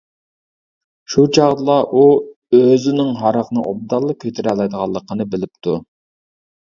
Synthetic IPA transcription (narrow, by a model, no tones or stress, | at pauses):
ʃut͡ʃʰɑʁd̪ɨlˠɑʔu | øzɪnɪŋɦɑɾɑqnɨ̰ʔob̚d̪ɑlˠːəkʲʰøt̪ʰɪɾɛlˠɑjd̪əʁɑlˠːəqʰənɨbɪlɪp̚t̪ʰu